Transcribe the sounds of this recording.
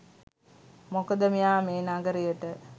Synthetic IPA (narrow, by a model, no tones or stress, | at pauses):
mokəd̪əmijaːmeːnaɡəɾijəʈə